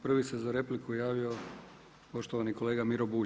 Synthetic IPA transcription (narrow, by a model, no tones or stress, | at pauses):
pr̩ʋisezaɾe̞plikujaːʋio̞ | po̞ʃt̪oʋaniko̞leːɡamiɾo̞buː